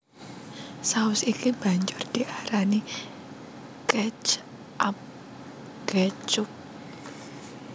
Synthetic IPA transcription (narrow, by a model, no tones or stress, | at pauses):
saʊsikib̥a̤ɲd͡ʒʊrd̪̥iʔaɾani | kɛt͡ʃ | ʔap̚ | ɡ̥ɛt͡ʃʊp̚